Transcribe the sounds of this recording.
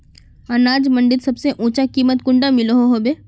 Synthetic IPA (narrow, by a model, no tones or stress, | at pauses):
ɐnaːd͡ʒmɐ̃ɳɖɪt̪sɐbseʔũːt͡ʃakiːmət̪̚kʊ̃ɳɖamɪloɦoɦoːbeː